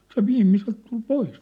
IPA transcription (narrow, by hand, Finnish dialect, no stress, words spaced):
se ʋiːmːiselt tul pois